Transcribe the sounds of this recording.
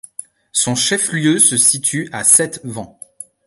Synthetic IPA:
sɔ̃ʃɛfljøsəsit̪ʰyasɛt̪vɑ̃

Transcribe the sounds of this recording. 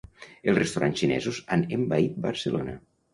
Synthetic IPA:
elˠzrest̪uɾʔansʃinɛ̰zuzanembait̪̚bəɾsəlonə

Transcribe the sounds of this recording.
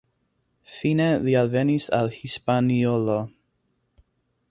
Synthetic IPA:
finɛðialvɛnisa̰lhispaniolo

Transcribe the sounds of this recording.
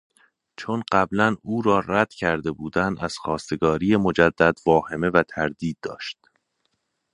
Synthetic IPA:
t͡ʃʰonɢæblænuːɾɒːræd̪̥cʰæɾd̪e̞buːd̪ænæz̥xɒːst̪e̞ɡɒːɾiːje̞mo̞d͡ʒæd̪ːæd̪vɒːhe̞me̞væt̪ʰæɾd̪iːd̪̚ːɒ̰ːʃt̪

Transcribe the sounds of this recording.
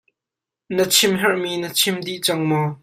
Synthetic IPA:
nət͡sʰɪmɦɛrʔminət͡sʰɪmd̪iʔt͡sɐŋmɔ

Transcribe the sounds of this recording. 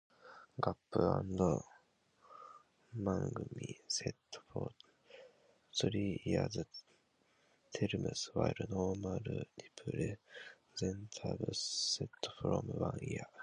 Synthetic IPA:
ɡapːɯã̰nd̪o | mãŋɡɯ̟mʲiset̪ːo̥po̰ | sɨɾiaz | t̪ʰeɾɯmɯsɨwaiɾɯnoːmaɾɯd̪ipʰɯɾe | zẽnt̪ʰabɯsset̪ːo̥ɸɯɾomɯβãɰia

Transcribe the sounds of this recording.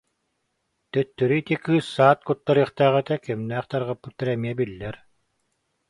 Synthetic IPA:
t̪œt̪ːyɾyit̪ikɯːsːaːt̪̚kut̪ːaɾɯːχt̪aːʁɛt̪ɛkɛmnæːχt̪aɾʁapːut̪ːɛɾɛmiɛbilːɛɾ

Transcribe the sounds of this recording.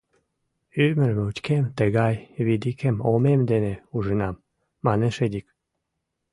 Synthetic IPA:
yməɾmeut̪ʲkemt̪əɣɑjβid̪ikemomemd̪eneuʒənɑmː | ɑneʃed̪ik

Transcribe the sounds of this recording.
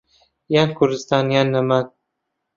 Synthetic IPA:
jankʰʊɾd̪ɪst̪ɑnjanːaman

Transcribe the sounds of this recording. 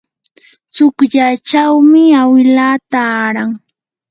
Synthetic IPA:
t͡sʊkʎat͡ʃawmɪawɪlaːt̪aːɾaŋ

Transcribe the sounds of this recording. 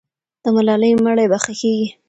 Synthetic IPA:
d̪̥əmalɑləjməɽajbaxakeɡi

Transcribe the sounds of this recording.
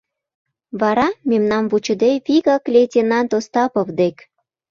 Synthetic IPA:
βɑɾɑmemnɑmvut͡ɕə̆d̪eβiɣɑklʲetʲinɑnt̪ost̪ɑpovd̪ek

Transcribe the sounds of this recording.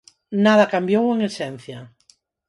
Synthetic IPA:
nað̞ɐkambjoweŋesɛn̟θja

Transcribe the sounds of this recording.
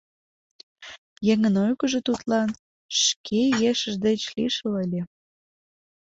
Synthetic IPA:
jeŋənojkəʒet̪ut̪lɑn | ʃkʰejeʃəʒd̪et͡ɕliʃələlʲe

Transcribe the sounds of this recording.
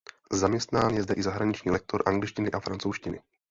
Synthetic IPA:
zamɲɛst̪naːnjɛzdɛʔɪzaɦɾaɲɪt͡ʃɲiːlɛk̚t̪oɾʔaŋɡlɪt͡ʃcɪnɪʔafɾant͡sowʃcɪnɪ̰

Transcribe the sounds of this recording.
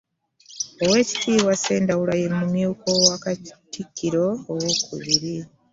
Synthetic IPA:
owe̞ːci̥tʰiːβwase̞ːndawulajemumjuːkowakatikːiɾo̞ːwokʰṵβiɾi

